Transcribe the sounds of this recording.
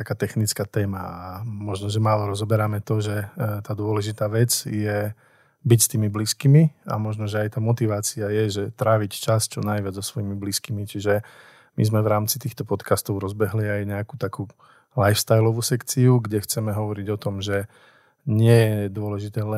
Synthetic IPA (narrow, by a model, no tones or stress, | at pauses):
akaːt̪ɛxnit͡skaːt̪ɛːmaamɔʒnɔʒɛmaːlɔɾɔzɔbɛɾamɛt̪ɔʒɛt̪aːd̪ʊɔlɛʒit̪aːʋɛd͡zjɛ | bicst̪iːmibliːskiːmia̰mɔʒnɔʒɛajt̪aːmɔt̪iʋaːt͡siajɛʒɛt̪ɾaːʋict͡ʃast͡ʃɔnajʋɪad͡zzɔsʋɔjimibliskimit͡ʃiʒɛ | mḭzmɛʋɾaːmt͡sit̪iːxt̪ɔpɔt̪kast̪ɔʊɾɔzbɛɦliajɲɛakuːt̪akuː | lajfst̪ajlɔʋuːsɛkt͡siuɡɟɛxt͡sɛmɛɦɔʋɔɾiɟɔt̪ɔmʒɛ | ɲɪɛjɛd̪ʊɔlɛʒit̪ɛːlɛ